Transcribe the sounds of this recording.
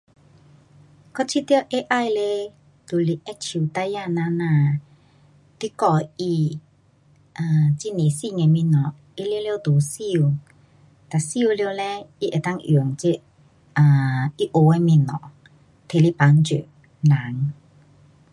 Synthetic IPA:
kɔ˥˦t͡ɕʰi˧t̪jə˧ʔe˦ʔa˥˧˨jle˧ | t̪u˨li˨˩ʔɛ˦t͡ɕʰi˨˩t̪a˧ja˥˧˨nã˧nã˧˨ | t̪i˧˦kɔ˧˩i˧ | a˧t͡ɕi˦˨ne˨si˥˧˨ŋe˧mĩ˧˨nɔ˨˩ | i˦lje˧˦ljt̪u˨si˧u˧˨ | t̪a˨si˦˧u˧ljo˧˨lɛ˧i˦˧ʔe˨t̪a˥˨ŋʔju˨˩ŋt͡ɕi˧˦ | a˧i˦ʔo˨˧˨e˧mi˧˩nɔ̰˨ | t̪ʰe˨li˦pa˨˦ŋt͡ɕṵ˨ | la˨˦ŋ

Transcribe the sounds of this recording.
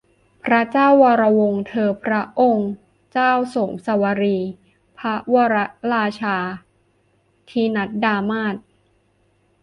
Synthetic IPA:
pʰɾa˦˥t͡ɕaː˥˩wːaː˧ɾa˧wo˧ŋt̪ʰɤː˧pʰɾa˦˥ʔo˧ŋ | t͡ɕaː˥˩wso˨˩˦ŋsa˧˦wa˧ɾiː˧ | pʰa˦˥waː˧ɾa˦˥ɾaː˧t͡ɕʰaː˧ | t̪ʰiː˧na˦˥t̪̚daː˧maː˥˩t̪̚

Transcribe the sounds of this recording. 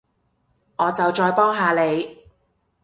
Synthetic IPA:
ŋɔː˨˧t͡sɐ˨wt͡ʃɔː˧jpɔː˥ŋɦaː˨le˨˧j

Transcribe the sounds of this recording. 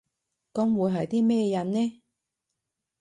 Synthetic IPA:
kɔ˨˧˥mwu˨˧jɦɐ˨jt̪iː˥mɛː˥˧jɐ˨nnɛː˥

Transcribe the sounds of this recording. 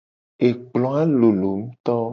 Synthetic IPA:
e˨k͡plɔ̃˦a˦lo˨lo˨m̩˦t̪ɔ˦

